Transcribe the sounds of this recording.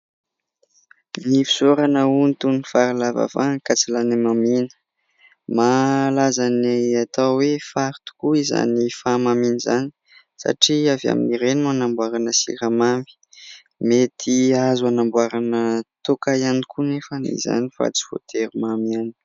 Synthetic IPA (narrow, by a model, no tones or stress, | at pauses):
nifi̥soɾanəunit̪unifaɾilava̰vankat͡silanemaminə̥ | malazaneat̪awwefaɾt̪u̥kuiza̰nifamaminizani̥ | sa̰ʈ͡ʂiava̰mḭniɾenuanambwaɾanəsḭɾamami̥ | met̪ʰiazuanambwaɾanət̪okajanikʰunefənḭza̰nifa̰t͡si̥vo̰t̪ʰeɾimamiani̥